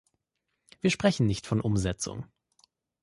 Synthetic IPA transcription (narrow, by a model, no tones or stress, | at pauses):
v̥iːɐʃpʁ̥ɛçn̩nɪçtfɔnʔʊmzɛt͡sʊ̰ŋ